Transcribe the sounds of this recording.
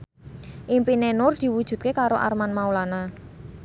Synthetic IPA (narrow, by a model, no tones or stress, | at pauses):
ʔimpinenʊrd̪̥i̤wud̥ʒ̥ṳt̪̚kekaɾoʔa̰rmanmaulana